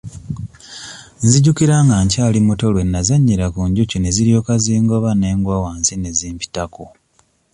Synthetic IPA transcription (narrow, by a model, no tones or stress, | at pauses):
nziɟukiɾaŋɡaɲcaːlimuto̞lwe̞nːazaɲːiɾakuɲɟucine̞ziɾjo̞ːkaziːŋɡo̞βane̞ːŋɡwaːwaːnsine̞ziːmpi̥tako